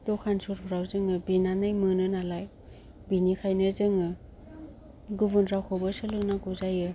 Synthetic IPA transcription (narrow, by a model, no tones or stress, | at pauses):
dɔkʰansuɾbɾawzɯŋɯbinanɯjmɯnɯnalaj | binikʰajnɯzɯŋɯ | ɡubundɾawkʰɔbɯsɯlɯknaɡuzajɯ